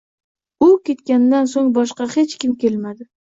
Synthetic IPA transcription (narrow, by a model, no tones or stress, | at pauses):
ʊkʲe̞t̪kʲand̪ansoŋbɒʃqɑhet͡ʃkʲɪmkʲe̞lmad̪ɪ